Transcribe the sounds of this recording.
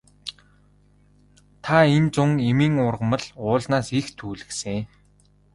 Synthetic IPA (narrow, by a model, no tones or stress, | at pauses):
t̪ʰaent͡sʊŋemiːŋʊrʁə̆mə̆ɮʊːɮnaːsixt̪ʰuːɮɘ̆kse